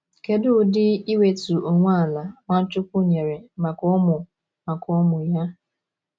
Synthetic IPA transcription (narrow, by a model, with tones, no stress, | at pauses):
ke˦dʊ˦dɪ˦i˦we˨tu˨o˨ŋʷa˦a˨la˨ŋʷa˦n̩˦t͡ʃʊ˦kʷʊ˦ɲe˨ɾe˨ma˨kɔ˦mʊ˨ | ma˨kɔ˦mʊ˨ja˦